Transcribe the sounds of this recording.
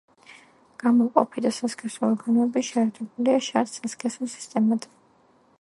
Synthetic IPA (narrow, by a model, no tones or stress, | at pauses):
ɡ̥amɔqʼɔpʰid̪asaskʰɛsuɔɾɡanɔɛbiʃɛːɾt̪ʰɛbuliaʃaɾt̪saskʰʼɛsulˠsi̥st̪ʼɛmad̪